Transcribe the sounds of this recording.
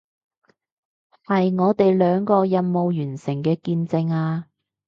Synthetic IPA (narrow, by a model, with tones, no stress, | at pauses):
hɐ˨jŋɔː˨˧t̪e˨jlœː˨˧ŋkɔː˧jɐ˨nmo˨wjyː˨˩nsɪ˨˩ŋkɛː˧kiː˧nt͡sɪ˧ŋaː˧